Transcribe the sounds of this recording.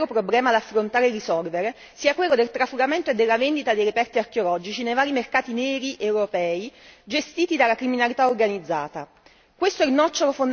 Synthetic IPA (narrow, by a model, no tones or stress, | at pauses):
ɾopɾoblɛːmad̪afːɾont̪aːɾerisɔlveɾe | siːakwelːod̪elt̪ɾafuɡament̪oed̪ːelːavend̪it̪ad̪ejɾepɛrt̪iarkeolɔd͡ʒit͡ʃinejvaːɾimerkaːt̪inɛːɾiʔewɾopɛːid͡ʒest̪iːt̪id̪alakɾiminalit̪aorɡanid̪zːa̰ːt̪a | kwest̪oɛinɔt͡ʃːoɾofond̪